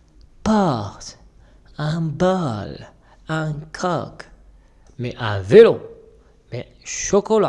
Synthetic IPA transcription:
paʁt | ãnbal | ãnkʰak | meʔavelo | me | ʃokola

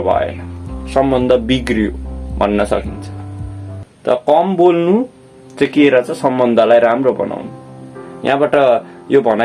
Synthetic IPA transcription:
bʱʌ̰ḛlʌsʌmbʌnd̪ʱʌbiɡrijo̰bʱʌnːʌsʌ̰kint͡sʰʌ̥ | t̪ʌ̰ʌkʌmbolnu | t͡sekieɾʌt͡sʌ̃sʌmbʌnd̪ʱʌlajɾamrobʌ̰nʔa̰wnuja̰ɦãbaʈʌjobʱʌna

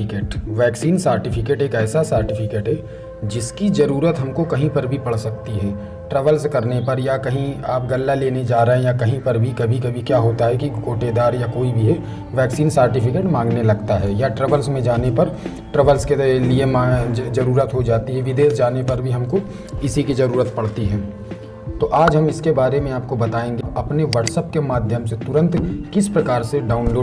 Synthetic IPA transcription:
ɪkeːʈʋɛːksiːnsəːɾʈɪpʰɪkeːʈeːkɛːsasəːɾʈɪfʰɪkeːʈɦɛ | d͡ʒɪskizɐɾuːɾət̪ɦɐmkokɐɦĩpɐɾbʱipɐɽ̤sɐk̚t̪iɦɛː | ʈɾəʋəlskɐɾnepɐɾjakɐɦĩaːp̚ɡɐlːaleːned͡ʒaːɾɐɦẽjakɐɦĩpɐɾbʱikɐbʱikɐbʱikjaːɦoːt̪aɦɛkiɡoːʈed̪aːɾjakoːibʱiɦɛ | ʋɛːksiːnsəɾʈɪpʰɪkeːʈmãːŋɡnelɐɡt̪aɦɛːjaʈɾəʋəlsmẽd͡ʒaːnepɐɾ | ʈɾəʋəlskeliemazɐɾuːɾət̪ɦod͡ʒaːt̪iɦɛʋɪd̪eːsd͡ʒaːnepɐɾbʱiɦɐmko | ɪsikizɐɾuːɾət̪̚pɐɽt̪iɦɛ̃ː | t̪oːʔaːd͡ʒɦɐmɪskebaːɾemẽaːp̚kobɐt̪aːẽːŋɡepɐpneʋɐʈsəp̚kemaːd̪ʱjəmset̪ʊɾə̃nt̪kɪspɾɐkaːɾseɖaːʊnloː

